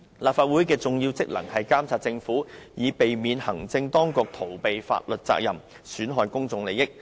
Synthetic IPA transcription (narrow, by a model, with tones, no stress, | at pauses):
laː˨p̚faː˧t̚wuː˨˥jkɛː˧t͡sʊ˨ŋjiː˧wt͡sɪ˥k̚lɐ̰˨˩ŋhɐ˨jkaː˥mt͡sʰaː˧t̚t͡sɪ˧ŋfuː˨˥jiː˨˧pe˨jmiː˨nhɐ˨˩ŋt͡sɪ˧ŋt̪ɔː˥ŋkʊ˧k̚t̪ʰo˨˩wpe˨jfa̰ː˧t̚lɵ˨t̚t͡sa̰ː˧k̚jɐ˨m | syː˨˥nɦɔː˧jkʊ˥ŋt͡sʊ˨ŋle˨jɪ˥k̚